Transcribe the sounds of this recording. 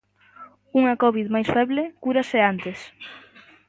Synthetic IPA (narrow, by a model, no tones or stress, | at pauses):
uŋakɔβiðmajsfɛβlekuɾaseant̪es